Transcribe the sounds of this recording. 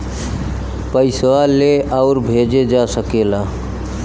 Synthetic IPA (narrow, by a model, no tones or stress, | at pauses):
pəɪswaleʔəʊɾbʱed͡ʒed͡ʒasəkela